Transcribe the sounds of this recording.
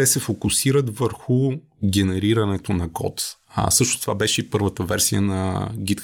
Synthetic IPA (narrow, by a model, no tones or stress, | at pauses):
t̪ɛsɛfokʊsiɾət̪vəɾxʊ | ɡʲɛnɛɾiɾɐnɛt̪onɐɡɔ̰t̪sɤʃt̪ʊst̪ova̰bɛʃɛipɤɾvət̪əvɛɾsiə̰nɐ̰ɡit̪k